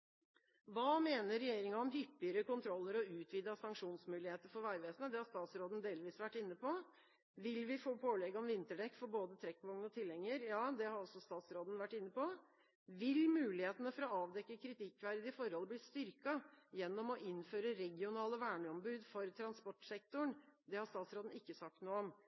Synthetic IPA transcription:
ʋɑːmeːnəɾːɛjeːɾɪŋɑɔmɦʏpːɪəɾəkʊnt̪ʰɾɔlːəɾɔʉːt̪ʰʋiːd̪ɑsɑŋkʂuːnsmʉːlɪheːt̪əɾfɔɾʋæɪʋeːsnəd̪ɛhɑɾst̪ɑːt̪sɾoːd̪nd̪eːlʋiːsʋæʈːɪnːəpɔ | ʋɪlʋɪfoːpʰoːlɛɡɔmʋɪnt̪əɖɛkːfɔɾboːd̪ət̪ʰɾɛkːʋɔŋnɔt̪ʰɪlːɛŋːəɾjɑːd̪ɛhɑɾɔlsɔst̪ɑːt̪sɾoːd̪n̩ʋæʈːɪnːəpɔ | ʋɪlmʉːlɪheːt̪ənəfɔɾɔɑːʋd̪ɛkːəkʰɾɪt̪ɪkːʋæɪɾd̪ɪfɔɾhɔləblɪːst̪ʏɾkɑjɛnːɔmɔʔɪnføːɾəɾɛɡɪʊnɑːləʋæːɳəɔmbʉːd̪fɔɾt̪ʰɾɑnspɔʈːsɛk̚t̪ʊɳd̪ɛhɑɾst̪ɑːt̪sɾoːd̪n̩ɪkːəsɑk̚t̪nuːəɔm

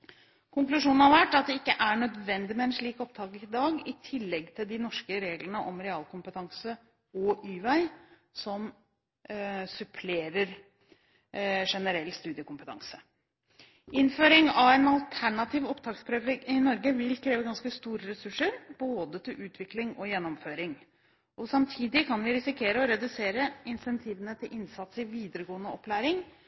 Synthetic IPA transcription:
kʰʊŋklʉʂuːnn̩hɑɾʋæʈːɑt̪̚d̪ɛɪkːəʔæɳœd̪ʋɛnd̪ɪmɛɛnʂɭiːkɔp̚t̪ʰɑːkəɾɪd̪ɑːɡɪt̪ʰɪlːɛɡt̪ʰɪld̪ɪnɔʂkəɾeːɡləɳəʔɔmɾɛɑːlˠkʰʊmpət̪ʰɑŋsə | ɔʔyːʋæɪ | sɔm | sʉpʰleːɾəɾ | ʂɛnəɾɛlːst̪ʉːd̪ɪəkʊmpət̪ʰɑ̰ŋsə̥ | ɪnføːɾɪŋɑʋɛːnɑlt̪ʰæɳɑt̪ʰiːʋɔpt̪ʰɑːkspʰɾøːʋəɪnɔɾɡəʋɪlkʰɾeːʋəɡɑnskəst̪uːɾəɾɛsʉʂəɾboːd̪ət̪ʰɪlʔʉːt̪ʰʋɪklɪŋɔjɛnːɔmføːɾɪŋ | ʔɔsɑmt̪ʰiːd̪ɪkʰɑnʋɪɾɪsɪkʰeːɾəɔɾɛd̪ʉseːɾəɪnsɛnt̪ʰiːʋənət̪ʰɪlʔɪnsɑt̪sɪʋiːd̪əɾəɡoːənəɔpːlæːɾɪŋ

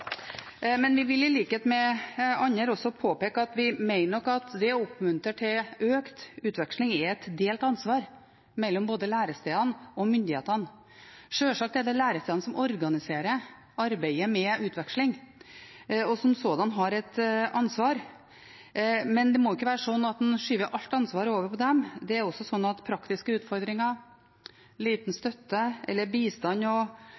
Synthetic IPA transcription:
mɛnʋɪʋɪlɪliːkəheːt̪mɛɑɲːəɾɔsːɔpʰoːpeːkəɑt̪ʋɪmæɪnəɔkːɑt̪d̪ɛʊpːmʉnt̪əʈʰɪløːkt̪ʉːt̪ʋɛkʂlɪŋɛɛt̪d̪eːlt̪ɑnsʋɑːɾ | mɛlːɔmboːd̪əlæːɾəst̪eːɑnɔmʏnd̪ɪheːt̪ən | ʂøːʂɑk̚t̪æd̪ɛlæːɾəst̪ɛːɑnəsɔmɔɾɡɑnɪseːɾə | ɑɾbæɪəmɛʉːt̪ʰʋɛkʂlɪŋ | ɔsɔmsɔd̪ɑnɦɑɾɛt̪ɑnsʋɑːɾ | mɛnd̪ɛmoːʏɪkːəʋæːɾəʂɔnːɑt̪̚d̪ɛnʂyːʋəɾʔɑlt̪ɑnsʋɑːɾəoːʋəɾpʰɔd̪ɛmd̪ɛæɾɔsɔsɔnːɑt̪pʰɾɑkt̪ɪskəʉːt̪fɔɾd̪ɾɪŋɑ | liːt̪n̩st̪œt̪ːəʔɛlːəbiːst̪ɑnːɔ

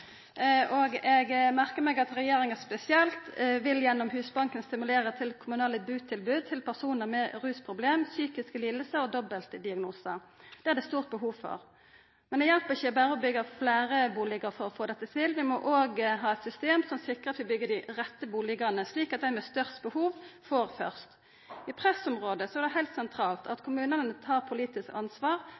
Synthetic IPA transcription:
ʔɔɡɛɡmæʁkəɾmɛɡɑt̪ɾɛjeːɾɪŋæspɛsɪɛlt̪ʋɪljɛnːɔmɦʉːsbɑŋkənst̪ɪmʉleːɾət̪ʰɪlkʰʊmʉnɑːləbʉːt̪ʰɪlbʉːd̪̚t̪ʰɪlpʰæʁsuːnəʁmɛɾʉːspʰʁʊbleːmsyːkɪskliːd̪əl̩səɔd̪ɔbəlt̪d̪ɪɑɡnuːsəd̪̥ɛːæɾd̪ɛst̪uːʁt̪̚bəɦuːʋfɔ̰ʁ | mɛnd̪ɛjɛlpəʁɪçəɔbæːɾəɔbʏɡːəflæːɾəbuːlɪɡəʁfɔɾɔfoːd̪ɛt̪ːət̪ʰɪlʋɪmɔʔoːɡɦɑːɛt̪sʏst̪eːmsɔmsɪkːʁəɑt̪ʋɪbʏɡːəd̪ɪʁɛt̪ːəbuːlɪɡɑnəsliːkɑt̪̚d̪æɪmɛst̪œʁst̪bəhuːʋfɔʁfœ̰ʁst̪ | ɪpʰʁɛsɔmʁoːd̪əsɔæʁd̪ɛɦæɪlt̪sɛnt̪ʰɾɑːlt̪ʰɑt̪kʰʊmʉːnəənət̪ʰɑːʁpʰʊliːt̪ɪskɑnsʋɑːʁ

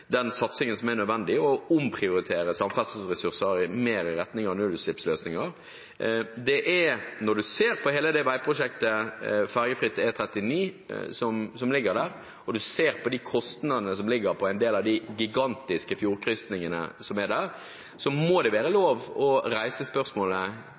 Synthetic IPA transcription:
d̪ɛnsɑt̪sɪŋənsɔmæɾnœd̪ʋɛnd̪ɪɔʊmpʰɾɪʊɾɪt̪ʰeːɾəsɑmfɑs̩sʁɛsʉʁsəɾɪmeːɾəɾɛt̪nɪŋəɾnʉd̪sɪpsløːsnɪŋəɾ | d̪ɛʔɛnɔɾɖ̪ʉseːɾpʰɔheːləd̪ɛʋæɪpʰɾʊʂɛk̚t̪əfɑɾɡəfɾɪt̪ːəɛt̪ʰɾɛt̪ːɪniːsɔmsɔmlɪɡːəɾd̪æːɾ | ɔd̪ʉseːɾpʰɔd̪ɪkʰɔst̪nɑd̪ənəs̬ɔmlɪɡəɾpʰɔæɪnd̪eːlɑʋd̪ɪɡɪɡɑnt̪ɪskəfjuːɾkʰɾʏst̪nɪŋənə̰sɔmɛd̪æːʁ | sɔmod̪ɛʋæːɾəloːʋɔɾæɪsəspœɾsmoːlə

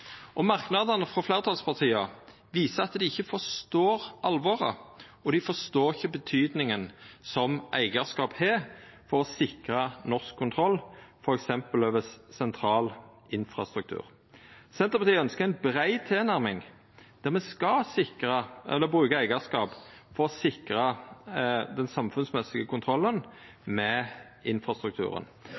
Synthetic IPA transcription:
ʔɔmɑʁknɑd̪ənəfɾɔflæɪʁət̪ʰɑlspʰɑʁt̪ʰiːɑ | ʋiːsəɑt̪d̪ɪɪçːəfɔʁst̪oːɾʔɑlʋɔːʁə̰ | ɔd̪ɪfɔst̪oːɪçəbət̪ʰyːd̪nɪŋənsɔmʔæ̰ɪɡəʁskɑːphɛːfɔɾɔsɪkɾənɔskʰːʊnt̪ʰɾɔlːfɔɾɛksɛmpəløːʋəssɛnt̪ʰɾɑːl | ɪnfɾɑ̰st̪ɾʉk̚t̪ʰʉ̰ːɾ | sɛnt̪əpɑt̪iːœnskəʁæɪnbɾæɪt̪ʰeːnæʁmɪŋ | d̪̥æʁmɛskɑsɪkɾəɛlːəbʁʉːkɑæɪɡəskɑːpfɔɾɔsɪkɾə | d̪ɛnsɑmfʉnsmɛsɪɡəkʊnt̪ʰɾɔlːən | mɛ | ɪnfʁɑst̪ɾʉk̚t̪ʰʉ̰ːɾə̰n

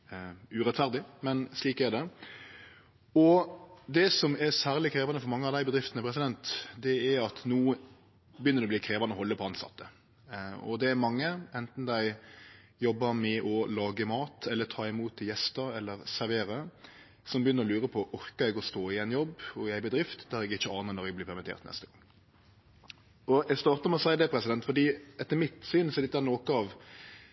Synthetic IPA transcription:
ʉɾɛt̪fæʁd̪ɪmɛnsliːkɛd̪ɛ | ɔd̪ɛsɔmæɾsæːʁlɪkʰɾeːʋɑnəfɔɾmɑŋːəɑʋd̪æɪbəd̪ɾɪft̪nəpʰɾɛs̬ɪd̪ɛnt̪d̪ɛæɾɑt̪nuː | bəjʏnəɾd̪ɛbliːkʰɾeːʋɑnəɔhɔlːəpʰɔɑnsɑ̰t̪ːə | ɔ̰d̪ɛæɾmɑŋːəɛnt̪n̩d̪æɪ | jɔbːəmɛʔɔlɑːɡəmɑːt̪ʰɛlːət̪ʰɑːɪmuːt̪ʰːɪljɛst̪əɾɛlːəɾsæɾʋeːɾə | sɔmbəjʏnːəɾɔlʉːɾəpʰɔʔɔɾkəɾɛɡɔst̪oːɪɛnjɔbːɔjæɪbəd̪ɾɪft̪d̪æɾɛɡɪçːəɑːnəɾnɔɾɛɡ̚blɪːpʰæʁmɪt̪ʰḛːɾt̪nɛ̰st̪əɡ̥ɑŋː | ɔɛɡst̪ɑːɾt̪əɾmɛɔsæɪd̪ɛpʰɾɛsɪd̪ɛnt̪fɔd̪iːɛt̪ːəɾmɪt̪syːnsɔɛlɪt̪ːænoːkəɑʋ

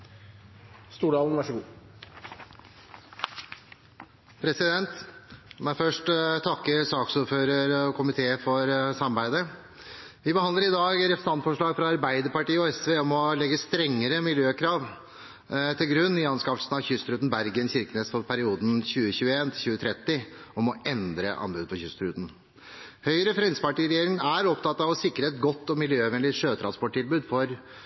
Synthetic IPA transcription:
st̪uːɖɑːln̩ʋæʂɡuː | pʰɾɛsɪd̪ɛnt̪mæfœʂʈt̪ʰɑkːəɾsɑːksuːɾføːɾəɾɔkʰʊmɪt̪ʰeːəfɔɾsɑmɑɾbæɪd̪ə | ʋɪbəhɑnd̪əɾɪd̪ɑːɡɾɛfəsɑnt̪fɔʂɭɑːɡfɾɑɑɾbæɪd̪əɾpɑʈiːəɔɛsʋeːɔmɔlɛɡːəst̪ɾɛŋːəɾəmɪljøːkʰɾɑːʋ | t̪ʰɪlɡɾʉnːɪɑnskɑfl̩sənɑʋçʏst̪ɾʉːn̩bæɾɡənçɪɾkəneːsfɔɾpʰæɾɪuːd̪n̩çʉːəɕʉːəeːnt̪ʰɪlɕʉːət̪ʰɾɛt̪ːɪɔmɔɛnd̪ɾə̰ʔɑ̰nbʉːd̪̚pʰɔçʏst̪ɾʉːt̪n̩ | hœʏəɾəfɾɛnsəpɑʈiːɾɛjeːɾɪŋənæɾɔpt̪ɑt̪ːɑʋɔsɪkɾəɛt̪ɡɔt̪ːɔmɪljøːʋɛnlɪʂøːt̪ʰɾɑnspɔʈ̚ʈːɪlbʉːd̪fɔɾ

